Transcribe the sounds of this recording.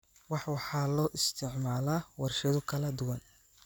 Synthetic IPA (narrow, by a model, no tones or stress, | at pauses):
wɑħwɑħɑːlɔːʔɪst̪ʰɪʕmaːlawɐrʃɐðʊkʰɐlɐd̪ʊwɐn